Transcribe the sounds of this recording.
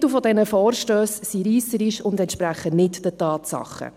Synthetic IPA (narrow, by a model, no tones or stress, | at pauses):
tufɔdɛnəfɔːɾʃtøːssiɾiːsəɾiʃʊndɛntʃpɾæχənɪtd̥ətɑːt̪sɑ̰χːə̰